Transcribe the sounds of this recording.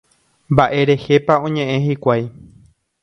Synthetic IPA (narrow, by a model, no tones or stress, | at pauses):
mbaʔe̞ɾe̞he̞paõ̞ɲẽ̞ʔẽ̞ɦikʷaj